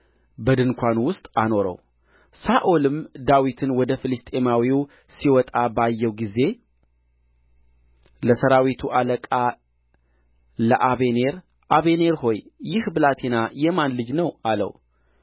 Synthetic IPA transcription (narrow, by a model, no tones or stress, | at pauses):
bəd̪ɨnkʷʰanwʊst̪ʼano̞ɾə̰w | saʔolɨmd̪awit̪ʰɨnwɔd̪əfɨlɨst̪ʼemawiw | siwɔt̪ʼabajːɛwɡize̞ | ləsəɾawit̪ʰuʔaləkʼa | ləʔaβe̞ne̞ɾ | ʔaβe̞neɾho̞jjɪhbɨlat̪ʰenajɛmanlɨd͡ʒnəwalə̰w